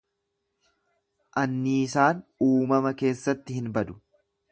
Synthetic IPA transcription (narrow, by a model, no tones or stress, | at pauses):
ʔɐnːɪsaːnuːmɐmɐke̞ːsːɐt̪ːɪhɪnbɐd̪ʊ̥